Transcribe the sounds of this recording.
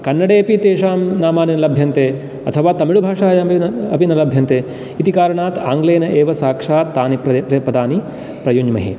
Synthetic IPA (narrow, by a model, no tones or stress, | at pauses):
kɐnːɐɽeːɐpit̪eːʂaːmnaːmaːninɐlɐbʱjɐnt̪eː | ɐ̰t̪ʰɐʋaːt̪ɐmiɭubʱaːʂaːjɐɐpinɐlɐbʱjɐnt̪eː | it̪ikaːɾɐɳaːt̪ʰaːŋɡleːnɐʔeːʋɐsaːkʂaːt̪aːnipɐpɾɐpɾɐd̪ʱaːni | pɾɐjuɲmɐ̰ɦḭ